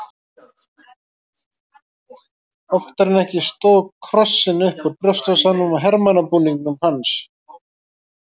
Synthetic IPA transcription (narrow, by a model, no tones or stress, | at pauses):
ɔft̪aɾnɛhcɪst̪oːðkʰɾɔsːɪnʏhpɔɾpɾœst̪asanʏmaɦɛɾmanapuniŋknʏmhans